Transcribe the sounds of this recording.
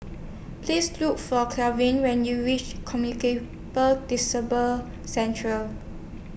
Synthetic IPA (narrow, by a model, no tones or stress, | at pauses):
pʰlisluk̚fɔkʰlavĩnwɛ̃njuɹit͡ʃkʰɔmjunike | pəldisəbə | sɛ̃ntʰɹəl